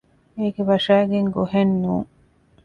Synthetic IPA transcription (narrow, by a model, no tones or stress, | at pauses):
eːɡeʋɐʂæːɡeŋɡoɦenːuːŋ